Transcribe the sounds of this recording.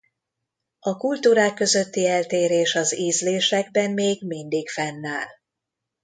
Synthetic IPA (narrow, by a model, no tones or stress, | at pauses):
ɒkult̪uːɾaːkːø̞zø̞t̪ːiɛlt̪eːɾeːʃɒziːzleːʃɛɡ̚bɛmmeːɡmind̪iɡfɛnːaːl